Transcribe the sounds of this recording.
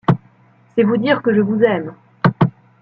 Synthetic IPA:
sɛvud̪iʁkəʒəvuzɛm

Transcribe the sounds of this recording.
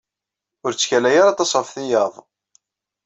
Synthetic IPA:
ʊɾt͡sːçælæjaɾat̪ɑsˤfθijɑðˤ

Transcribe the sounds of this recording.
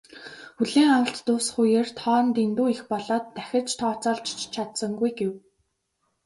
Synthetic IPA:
xuɮeːŋawə̆ɬt̪ːʊːsχujeːrt̪ʰɔːnt̪int̪uːixpɔɮɔːt̪ːæxʲɪ̆rt͡ɕt̪ʰɔːt͡sɔːɮt͡ɕt͡ɕt͡ɕʰat̪sə̆ŋɡujɡew

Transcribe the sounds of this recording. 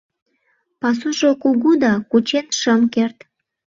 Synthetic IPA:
pɑs̬uʃokuɣud̪ɑkut͡ɕenʃəmkert̪

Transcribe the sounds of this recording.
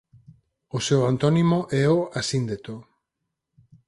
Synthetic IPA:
oseoant̪onimoʔeoʔasind̪et̪o

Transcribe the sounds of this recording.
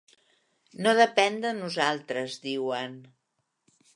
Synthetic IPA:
noðəpɛnd̪ənuzalˠt̪ɾəzd̪iwən

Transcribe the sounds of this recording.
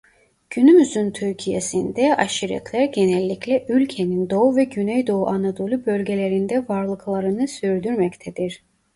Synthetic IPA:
ɟ̥ynymyzynt̪ʰyɾcʰijesind̪ɛaʃiɾɛ̰t̪ʰlʲæɾɟenɛlʲːiclʲɛʔylʲcʰe̞nind̪o̞uvɛɟynɛjd̪o̞uʔanad̪o̞lʲˠybølʲɟe̞lʲe̞ɾind̪ɛvaɾlˠɯklˠaɾɯnɯsyɾd̪yɾmɛct̪ʰɛd̪iɾ̥

